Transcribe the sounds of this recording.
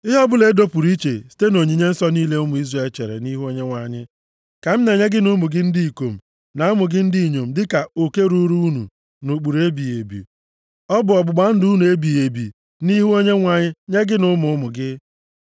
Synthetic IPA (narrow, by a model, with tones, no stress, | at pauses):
ɪ˦ɦɔ˦bʊ˦le˨˦do˦pu˨ɾi˦t͡ʃḛ˨si̥˨te˦no˨ɲi˨ɲe˦n̩˦sɔ˦niː˦le˦ʊ˦mʊ˨i˦zre˨˦˨lt͡ʃe˨ɾḛ˨ni˦ɦu˦o˦ɲe˦ŋʷa˨ɲɪ˦ | ka˨m̩˦ne˨ɲe˦ɡɪ˦nʊ˦mʊ˨ɡɪ˦n̩˦di˦i˨ko˨m̩˨ | na˨a˦mʊ˨ɡɪ˦n̩˦di˦˨ɲo˨m̩˦dɪ˦ka˨o˨ke˦ɾu˦ɾu˦u˦nṵ˨ | no˨k͡pu˨ɾe˦bi˨e˨bḭ˨ | ɔ˦bʊ˨ɔ˨ɡ͡bʊ˨ɡ͡ba˨˦n̩˦du˦nu˨e˦bi˨je˨bḭ˨ | ni˦ɦu˦o˦ɲe˦ŋʷa˨ɲɪ˦ɲe˦ɡɪ˦nʊ˦mʊ˨ʊ˦mʊ˨ɡɪ˦